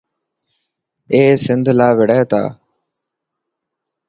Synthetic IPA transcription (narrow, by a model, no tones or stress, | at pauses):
eːsɪnd̪ʱlaːʋɪɽɛːt̪a̰ː